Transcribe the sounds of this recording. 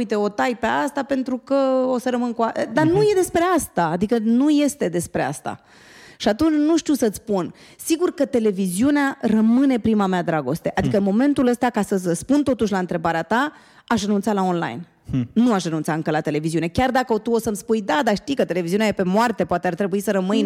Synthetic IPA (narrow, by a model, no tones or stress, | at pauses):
jt̪e̞ot̪ajpe̞ast̪ape̞nt̪ɾukəosəɾəmɨnkuaəd̪anuje̞d̪e̞spɾe̞ast̪aːd̪ikənuje̞st̪e̞d̪e̞spɾe̞a̰st̪a̰ | ʃiat̪unt͡ʃnuʃt̪iusət̪sʲpun | siɡurkət̪e̞le̞viziunearəmɨne̞pɾimamead̪ɾaɡo̞st̪e̞ʔad̪ikəɨnmo̞me̞nt̪uləst̪akasəəspunt̪ot̪uʃlaɨnt̪ɾe̞baɾeat̪a | aʃ̬rənunt̪salao̞nla̰jnː | uaʃrənunt̪saɨŋkəlat̪e̞le̞viziune̞kʲard̪akəot̪uo̞səmspujd̪ad̪aʃt̪ijkət̪e̞le̞viziuneajepe̞moart̪e̞poat̪eart̪ɾe̞buisəɾəmɨj